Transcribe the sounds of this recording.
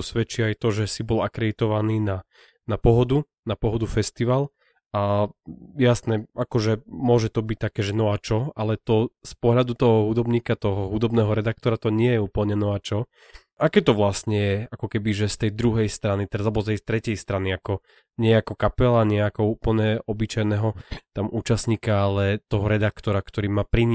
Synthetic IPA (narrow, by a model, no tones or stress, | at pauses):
usʋɛt͡ʃiajt̪ɔʒɛsibɔlakɾɛd̪it̪ɔʋaniːna | napɔɦɔd̪u | napɔɦɔd̪ufɛst̪iʋal | a | jasnɛakɔʒɛmʊɔʒɛt̪ɔbic̚t̪akɛːʒɛnɔat͡ʃɔalɛt̪ɔspɔɦlʎad̪ut̪ɔɦɔɦud̪ɔbɲiːkat̪ɔɦɔɦud̪ɔbnɛːɦɔɾɛd̪ak̚t̪ɔɾat̪ɔɲɪɛjɛuːpl̩ɲɛnɔat͡ʃɔ | ʔakɛːt̪ɔʋlasɲɛjɛakɔkɛbiʒɛst̪ɛjd̪ɾuɦɛjst̪ɾanit̪ɛɾazlɛbɔst̪ɛjst̪ɾɛcɛjst̪ɾaniakɔ | ɲɪɛɛakɔkapɛlaɲɛakɔuːpl̩ɲɛɔbit͡ʃajnɛɦɔt̪amuːt͡ʃast̪ɲiːkaalɛt̪ɔɦɔɾɛd̪akt̪ɔɾakt̪ɔɾiːmaːpɾiɲ